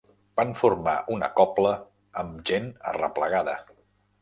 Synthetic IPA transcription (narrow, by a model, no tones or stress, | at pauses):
b̥anfurma̰ʔunə̰kɔpləː | mʒenə̰rə̰pləɣaðə